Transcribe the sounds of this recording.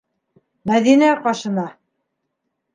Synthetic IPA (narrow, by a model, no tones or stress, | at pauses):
mæðinæqɑʃɤ̆nɑ